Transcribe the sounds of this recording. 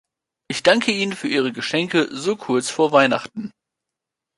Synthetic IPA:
ʔɪçd̥aŋkʰəiːnənfyːɐʔiːʁ̞əɡəʃɛŋkəzoːkʰʊɐt͡sfoːɐvaɪna̰χtn̩

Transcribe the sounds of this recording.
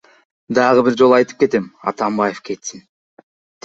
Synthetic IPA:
d̪ɑʁəbiɾd͡ʒo̞lˠɑjt̪ɯ̥p̚ke̞t̪emɑ̰t̪ɑmbɑjefke̞t̪sin

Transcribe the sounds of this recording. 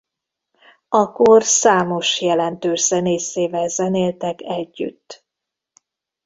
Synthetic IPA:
ɒkorsaːmo̞ʃjɛlɛnt̪øːʒz̥ɛneːseːvɛlzɛneːlt̪ɛkɛɟːy̰t̪ː

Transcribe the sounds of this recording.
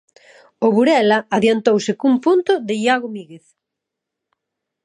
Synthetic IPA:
ʊβuɾɛlɐaðjant̪owsɪkumpunt̪ʊðɪjaɣomiɣeθ

